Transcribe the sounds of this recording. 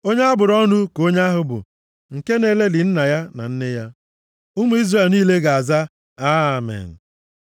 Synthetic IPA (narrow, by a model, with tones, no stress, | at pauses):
o˦ɲe˦a˦bʊ˨ɾɔ˦nʊ˦ko˦ɲ˦a˦ɦʊ˨bʊ̰˨ | ŋ̩˨ke˦ne˨˦le˦lɪ˨n̩˦na˨ja˦na̰˨n̩˦ne˦ja˦ | ʊ˦mu˦i˦zre˨lniː˦le˦ɡa˨a˨za˦ | a˦˨mḛ˨n̩˨